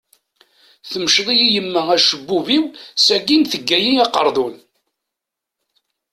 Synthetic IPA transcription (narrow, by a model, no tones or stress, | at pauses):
θəmʃðˤijijəmːəæʃəbːuviwsæɡinθəɡːæjiɑqə̰ɾˤðˤun